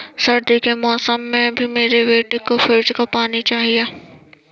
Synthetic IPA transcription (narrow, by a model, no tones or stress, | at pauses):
sɐɾd̪ikemɔːsəmːẽbʱimeːɾeʋeːʈɪkːofɪɾd͡ʒkɐpaːnit͡ʃaːɦieː